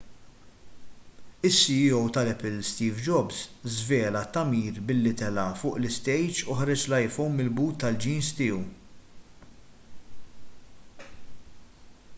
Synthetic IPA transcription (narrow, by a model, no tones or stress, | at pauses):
ɪsːiiɔwt̪ɐlɛpɪlst̪iːvd͡ʒɔbzzvɛːlɐt̪ːɐmiːɾbɪlːɪt̪ɛlɐfʊːʔlɪst̪ɛjt͡ʃʊħɐɾɪt͡ʃlɐjfownmɪlbuːt̪ːɐld͡ʒiːnst̪ɪːu